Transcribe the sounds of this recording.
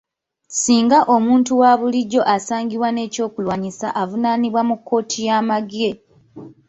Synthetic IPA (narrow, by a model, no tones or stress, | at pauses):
siːŋɡaʔo̞muːntuwaːβuliɟːo̞ʔasaːŋɡiβwane̞ːco̞ːkulwaːɲisa̰ʔavunaːniβwamukʰːo̞ːtʰijaːmaɡie